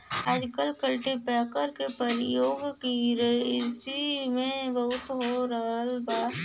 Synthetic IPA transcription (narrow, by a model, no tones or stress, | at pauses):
aːd͡ʒkəlkɐlʈipɛːkəɾkepɐɾjoːɡkiɾɐiɪsimẽbɐɦʊt̪ɦoɾɐɦəlbaː